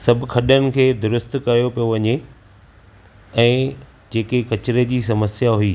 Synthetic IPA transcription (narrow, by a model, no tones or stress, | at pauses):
sɐbʱɪ̆kʰɐɗənɪ̆kʰeːd̪ʊɾʊst̪kɐjopijoʋɐɲe | ɛ̃ː | d͡ʑeːkekɐt͡ɕɪɾed͡ʑiːs̬ɐməsjaɦʊiː